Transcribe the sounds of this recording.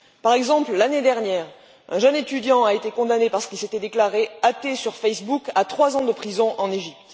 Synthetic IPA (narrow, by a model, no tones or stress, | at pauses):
paʁɛɡzɑ̃pllaned̪ɛʁnjɛːʁ | ɛ̃ʒœnet̪yd̪jɑ̃aet̪ekɔ̃d̪anepaʁsə̥kilset̪ɛd̪eklaʁeat̪esyʁfɛsbukat̪χwazɑ̃d̪əpχizɔ̃ʔɑ̃neʒipt̪